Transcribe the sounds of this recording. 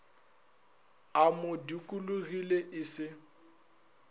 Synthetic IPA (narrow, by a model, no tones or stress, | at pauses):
amʊdikʼuluɣileʔɪsɪ